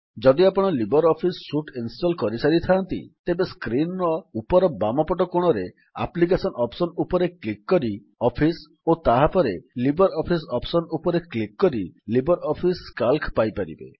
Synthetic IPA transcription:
d͡ʒɔd̪iapɔɽ̃ɔlibɔɾɔpʰisːuʈinsʈɔlkɔɾisaɾit̪ʰaːnt̪ḭt̪ebeskɾinɔupɔɾɔbamɔpɔʈɔkoɽ̃ɔɾe | a̰plikesɔnɔpsɔnupɔɾeklikːɔɾi | ɔpʰis | ot̪aɦapɔɾelibɔɾɔpʰisɔpsɔnupɔɾeklikːɔɾilibɔɾɔpʰiskalkpajpaɾḭbḛ

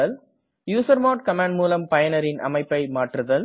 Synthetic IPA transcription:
ɐl | juːsɐɾmɐːʈ̚kɐmãːɳɖmuːlɐmpɐjɐnɐɾɪnʔɐ̰mɐɪpːɐɪmaːʈɾɯðɐl

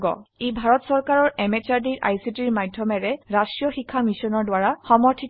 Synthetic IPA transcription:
ɡɔ̰ejbʱaɹɔtsɔɹkaɹɔɹɛmet͡ʃaɹdiɹʔa̰jsitiɹmadʱjɔmɛɹɛɹasɹijɔxikʰːamisɔnɔɹdwaɹaxɔmɔɹtʰi

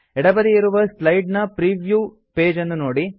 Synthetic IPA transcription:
ɛɽɐbɐd̪iiɾuʋɐslɐjɖnɐpɾiːʋju | pe̞ːd͡ʒɐnːunoːɽi

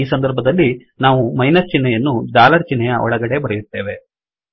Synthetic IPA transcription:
iːsɐnd̪ɐɾbʱɐd̪ɐlːi | naːʋumɐjnɐɾt͡ʃinːɛjɐnːud̪aːlɐɾt͡ʃinːɛjɐʔɔ̰ɭɐɡɐɽe̞bɐɾɐjut̪ːe̞ːʋe̞

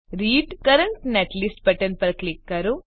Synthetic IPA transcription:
ɾiːɖkɐɾɐɳʈneʈlisʈpɐʈɐnpɐɾklikːaːɾu

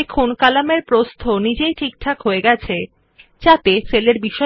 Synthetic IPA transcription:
ekʰonkalameɾpɾost̪ʰonid͡ʑejʈʰik̚ʈʰakɦoeɡɛt͡ɕʰe | t͡ɕat̪eseleɾbiʃɔ

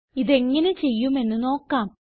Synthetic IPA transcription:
iðe̞ŋːɐne̞t͡ɕe̞jːume̞nːɨno̞ːkːaːm

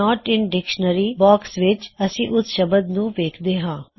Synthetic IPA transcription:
ɔːʈɪɳɖɪkʃənəɾiːbɔːksʋɪt͡ʃəsĩːʔʊsʃəbəd̪nũːʋeːkʰd̪eːɦãː

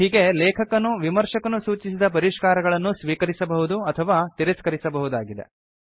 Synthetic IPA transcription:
ɦiːɡe̞lɛːkʰɐkɐnːuʋimɐɾʂɐkɐnusuːt͡ʃisid̪ɐp̬ɐɾiʃkaːɾɐɡɐɭɐnːusʋiːkɐɾisɐbɐɦud̪uɐt̪ʰɐʋaːt̪iɾɐskɐɾisɐbɐɦud̪aːɡid̪e̞̰

